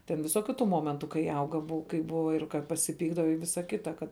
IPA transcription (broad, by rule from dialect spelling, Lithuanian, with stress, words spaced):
tʲɛn ʋʲɪˈsoːkʲʊ tʊ ˈmoːmʲɛntʊ kɐɪ ˈɐʊɡɐ ˈbʊɐ kɐɪ ˈbʊʋɐ ɪr kɐ pɐsʲɪˈpʲiːɡdɐʋɐ ɪ ˈʋʲɪsɐ ˈkʲɪtɐ kɐt